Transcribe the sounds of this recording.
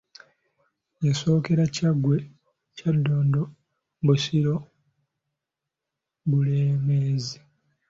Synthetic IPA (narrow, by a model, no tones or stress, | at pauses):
jaso̞ːke̞ɾacaɡːwe̞ | cadːo̞ːndo | busiɾo̞ | buleːmeːzi